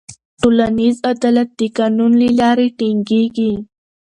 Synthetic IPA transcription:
ʈolanizad̪ɑlat̪̚d̪ikanunlilɑɾeʈiŋɡeɡi

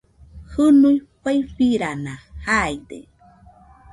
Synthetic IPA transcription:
hɨnujɸajɸiɾanahajd̪ḛ

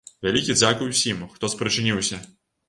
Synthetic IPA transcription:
vʲalʲikʲid̪zʲakɨwsʲimxt̪ɔspɾɨt͡ʂɨnʲiwsʲɐ

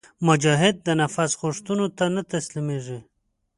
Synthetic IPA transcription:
mʊd͡ʒɑɦɪd̪̚ːənafasɣuʂt̪unot̪anat̪aslimeʐi

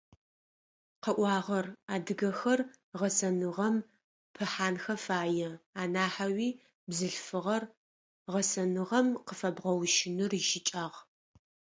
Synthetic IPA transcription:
qəʔʷɑːʁɐraːdɨɡɐxɐr | ʁɐsɐnɨʁɐm | pʰɨħaːnxɐfaːjɛaːnaːħawiː | bzɨɬfɨʁɐr | ʁɐsɐnɨʁɐmqəfɐbʁɐwʃɪnɨrʒɪt͡ʃʼaːʁ

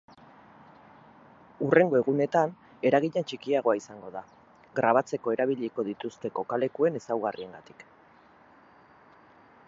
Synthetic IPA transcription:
ure̞ŋɡo̞e̞ɣ̞une̞t̪an | e̞ɾaɣ̞iɲant͡ʃikiaɣo̞aisaŋɡo̞ða | ɣɾaβ̞at͡se̞ko̞e̞ɾaβiʎiko̞ð̞it̪ust̪e̞ko̞kale̞kue̞ne̞sawɣarie̞ŋɡa̰t̪i̥k

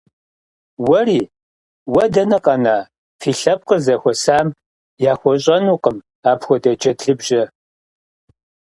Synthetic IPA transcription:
wɐriː | wɐdɐnɐqʼɐnaː | fiːɬɐp̚qəzɐxʷɔsaːm | jaːxʷɔɕ̬ʼɐnuːqəm | aːpxʷɔdɐd͡ʒɐtɮɨbʒɐ

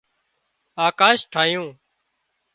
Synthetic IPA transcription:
aːkaːʃʈʰaːjõː

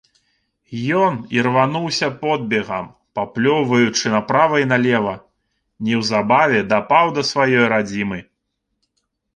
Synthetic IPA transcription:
jɔnirvanuwsʲɐpɔd̪̚bʲɛɣɐm | paplʲɔwvɐjut͡ʂɨnɐpɾavɐjnalʲɛvɐ | nʲɛwzabavʲɛd̪apawd̪ɐsvajɔjɾad͡zʲimɨ

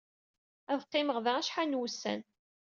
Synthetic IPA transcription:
æðqːɪməʁðææʃħanwusːæ̰n

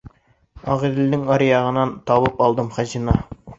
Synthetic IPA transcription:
ɑʁiɾlɪnɪŋɑɾjɑʁə̆nɑnt̪ʰɑbɤpɑlˠd̪əmχæʑinɑ

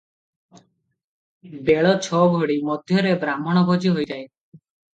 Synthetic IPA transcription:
beɭɔt͡ʃʰɔbʱoɽimɔd̪ʱjɔɾebɾamɔɽ̃ɔbʱod͡ʒiɦojtae

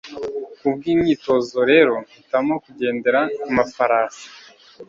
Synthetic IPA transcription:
kubɡiːmɲiːto̞zo̞ɾe̞ɾo̞nitamo̞kuɟe̞ːnde̞ɾaumafaɾaːsḁ

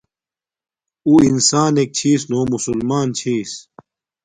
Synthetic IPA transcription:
uːinsaːnek̚t͡ɕʰiːs̬noːmusulmaːnt͡ɕʰiːs

